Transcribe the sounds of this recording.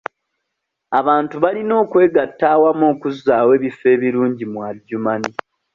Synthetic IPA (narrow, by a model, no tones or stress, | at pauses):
aβaːntuβalino̞ːkwe̞ːɡatːaːwamoːkuzaːwe̞ːβifːe̞ːβiɾuːɲɟimwaɟːumani